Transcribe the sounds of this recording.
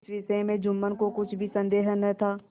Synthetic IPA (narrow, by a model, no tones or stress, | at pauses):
sʋɪsəẽmẽd͡ʒʊmːənkokʊt͡ʃʰbʱisə̃nd̪eːɦənət̪ʰaː